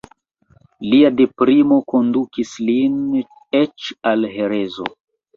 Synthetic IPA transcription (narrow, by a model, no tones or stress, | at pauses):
liade̞pɾimo̞ko̞ndukislin | et͡ʃalɦe̞ɾe̞zo̞̰